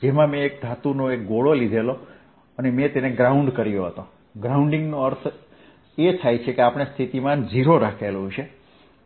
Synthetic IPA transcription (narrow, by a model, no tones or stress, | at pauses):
d͡ʒemãmẽːk̚d̪ʱat̪unoek̚ɡoɭolid̪ʱelo | ənemẽt̪eneɡɾauɳɖkəɾijoɦət̪o | ɡɾauɳɖɪŋɡnoəɾt̪ʰ | et̪ʰajt͡ʃʰekeapəɽ̃est̪ʰit̪imãnd͡ʒiɾoɾakʰelũt͡ʃʰe